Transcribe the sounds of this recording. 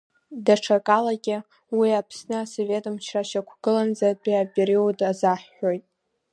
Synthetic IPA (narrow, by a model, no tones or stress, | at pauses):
daʈ͡ʂʰakʼalaɡʲɪ | wiapʰsnɨasove̞tʼɨmt͡ʃʰraʃakʷʰɡ̥ɨland͡zadʼiapʼeɾiudazaħːojtʼ